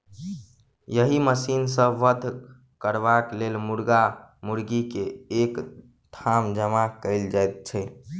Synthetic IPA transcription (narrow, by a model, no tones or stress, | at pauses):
jəɦiməsinsə̃ʋəd̪ʱ | kəɾbaklelmuɾɡamuɾɡikeːk | d̪ʱʰamd͡ʒəmakəɪld͡ʒajt̪̚t͡ʃʰɛ